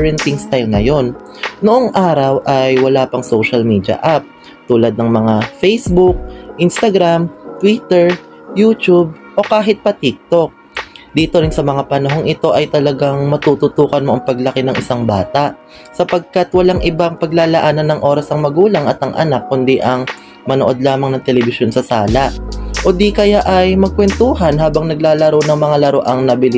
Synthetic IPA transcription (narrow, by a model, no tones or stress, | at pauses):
ɹɛnt̪ɪŋst̪ajlnɐjo̞n | noʔoŋʔaːɾɐwʔɐjwɐlaːpɐŋso̞wʃɐlmiːd̪jɐ̰ʔap̚ | t̪uːlɐd̪nɐŋmɐŋafejsbuk̚ʔɪnst̪ɐɡɾamt̪wit̪ɛɹ | juːt͡ʃ̪ub̚ʔo̞kaːɦɪt̪̚pɐt̪ik̚t̪o̞k̚ | d̪iːt̪o̞ɾɪnsɐmɐŋapɐnɐɦo̞ŋʔɪt̪o̞ʔɐjt̪ɐlɐɡaŋmɐt̪uːt̪ʊt̪uːkɐnmo̞ʔɐŋpɐɡlɐkɪnɐŋʔɪsaŋba̰ːt̪aʔ | sɐpɐɡ̚kat̪wɐlaŋʔɪbaŋpɐɡlaːlɐʔaːnɐnːɐŋʔo̞ːɾɐsɐŋmɐɡuːlɐŋʔɐt̪ɐŋʔɐ̰nakːʊnd̪iʔɐŋ | mɐnoʔo̞d̪̚laːmɐŋnɐŋt̪ɛlɛbɪsjonsɐsaːlɐʔʔo̞d̪ikɐjaʔɐjmɐɡ̚kwɛnt̪uːɦɐnhaːbɐŋnɐɡlaːlɐɾownɐŋmɐŋalɐɾoʔɐŋnɐbɪl